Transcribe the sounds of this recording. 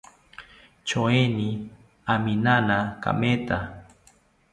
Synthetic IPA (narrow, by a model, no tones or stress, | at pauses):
t͡ʃoeni | aminanaka̰met̪a